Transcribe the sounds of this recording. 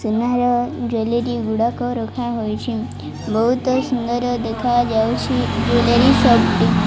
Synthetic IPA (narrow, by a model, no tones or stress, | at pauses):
sunaɾɔd͡ʒoleɾiɡuɽakoɾɔkʰaɦojt͡ʃʰi | bəɦut̪sund̪əɾəd̪ekʰad͡ʒawt͡ʃʰid͡ʒoleɾisɔbʈ̪i